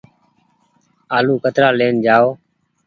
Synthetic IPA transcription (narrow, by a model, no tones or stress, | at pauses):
aːluːkət̪ɾaːleːnd͡ʒaːoː